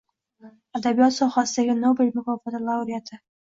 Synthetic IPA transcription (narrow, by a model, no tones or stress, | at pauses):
ad̪abijɒt̪sɒhasɪd̪aɡʲɪnobelʲmʊkɒfat̪ʰalˠawɾijat̪ʰɪ